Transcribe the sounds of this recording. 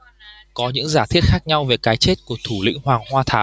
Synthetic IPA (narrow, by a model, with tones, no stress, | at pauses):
kɔ˨˦ɲɨ̰˧˥ŋzaː˧˩t̪ʰi˦˥ət̚xaː˦˥k̚ɲa˧wve˨˩kaː˨˦jt͡ɕe˦˥t̚ku˧˩ət̪ʰu˧˩lḭ˧˥ŋ̟hwaː˨˩ŋhwaː˧t̪ʰaː˨˦